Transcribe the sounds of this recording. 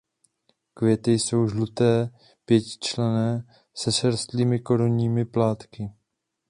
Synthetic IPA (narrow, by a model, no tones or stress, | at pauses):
kvjɛt̪ɪjso̞wʒlut̪ɛː | pjɛcɪ̥t͡ʃlɛnɛː | sɛʃɛɾst̪liːmɪko̞ɾunɲiːmɪplaːt̪kɪ